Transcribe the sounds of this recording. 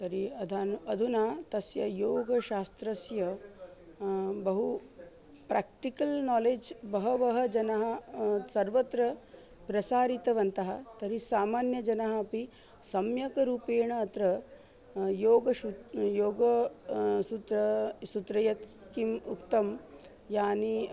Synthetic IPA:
t̪ɐɾiɐd̪ʱaːnuɐd̪ʱunaːt̪ɐsjɐjoːɡɐʃaːst̪ɾɐsjɐ | bɐɦu | pɾʔaːk̚ʈikɐlnɔːleːd͡ʒbɐɦɐʋɐɦɐd͡ʒɐnɐɦɐsɐɾʋɐt̪ɾɐ | pɾɐsaːɾit̪ɐʋɐnt̪ɐɦɐt̪ɐɾisaːmaːnjɐd͡ʒɐnɐɦɐɐpi | sɐmjɐkɐɾuːpeːɳɐːt̪ɾɐ | joːɡɐʃujoːɡɐ | sut̪ɾɐsut̪ɾɐjɐt̪ | kimukt̪ɐm | jaːni

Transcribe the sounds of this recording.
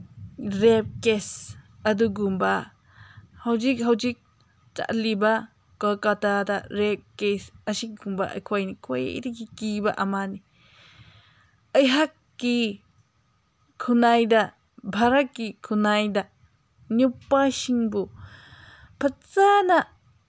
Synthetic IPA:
ɾep̚kes | ad̪uɡumba | hawd͡ʒikɦawd͡ʒik̚ | t͡ʃa̰ʔliba | kakat̪ad̪aɾep̚kesaʃik̚ɡumba̰ʔkʰwajnikʰwaj̰ɾikikibaʔamani | əjɦakːi | kʰunajd̪a | bʱaɾakikʰunajd̪a | njupːaʃiŋbu | pʰat͡sana

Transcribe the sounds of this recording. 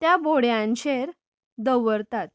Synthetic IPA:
t̪jaboɽjãɲɕeɾ | d̪əʋəɾt̪at̪̚

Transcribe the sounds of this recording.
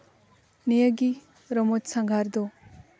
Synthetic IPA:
nijaɡi | ɾɔmɔtsaŋɡʱaɾd̪ɔ

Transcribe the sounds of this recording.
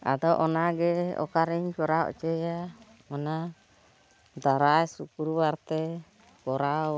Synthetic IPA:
a̰t̪aʔonaɡeo̰kaɾiɲt͡ʃoɾao̰t͡ʃeja | mona | t̪aɾaɛsukuɾuwart̪e | koɾao

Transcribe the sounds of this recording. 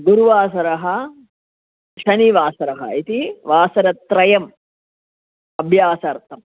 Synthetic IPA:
ɡuɾuʋaːs̬ɐɾɐɦɐ | ʃɐniʋaːsɐɾɐɦɐ̰it̪iʋaːsɐɾɐt̪ɾɐjɐm | ɐbʱjaːsɐɾt̪ʰɐm

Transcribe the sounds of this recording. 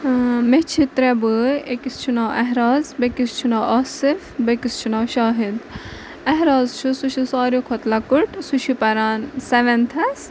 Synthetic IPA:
met͡ʃʰit̪ɾɛbɨekist͡ʃʰunaːʔɛɦɾaːzbekist͡ʃʰunaːʔaːsifbekist͡ʃʰunaːʃaːɦid̪ | ɐɦɾaːzt͡ʃʰusuʃʰisaːɾjokʰɔt̪lɐkuʈsuʃʰipɐɾaːnsɛʋɛnt̪ʰɐs

